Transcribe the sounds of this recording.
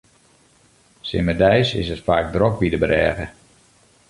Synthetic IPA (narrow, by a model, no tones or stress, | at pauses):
sɪ̰mədɛjsɪ̰sətfaːk̚drokʋidəbəɾɛːɣə